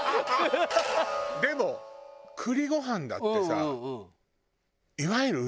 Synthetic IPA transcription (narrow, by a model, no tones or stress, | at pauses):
d̪e̞mo̞kʰɯ̟ɾʲiɡo̞ɦãnd̪a̰t̪ːe̞sa | iβaiɾɯ̟